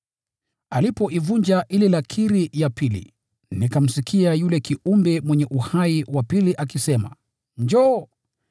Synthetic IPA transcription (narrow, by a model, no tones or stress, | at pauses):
alipɔʔivuɲd͡ʒaʔililakʰiɾijapilḭ | nikam̩sikʰiajulɛkiumbɛmwɛɲɛʔuhaiwapiliʔakisɛma̰ | ɲd͡ʒɔ